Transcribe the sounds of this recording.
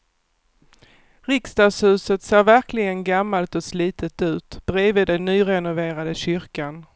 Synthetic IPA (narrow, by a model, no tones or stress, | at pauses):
ɾɪkst̪ɑvshʉ̟ːsət̪seːɾvæɾklɪɡənɡamːalt̪ɔsliːt̪ət̪ʉ̟ːt̪b̥ɾeːvɪd̪ɛnːyːɾɛnʊveːɾad̪əɕʏɾkan